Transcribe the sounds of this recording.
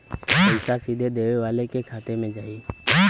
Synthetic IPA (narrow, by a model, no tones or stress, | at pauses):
ɪːsasiːd̪ʱeɗ̪eːʋeʋaːlekʰeːkʰaːt̪emɪ̃d͡ʒaːiː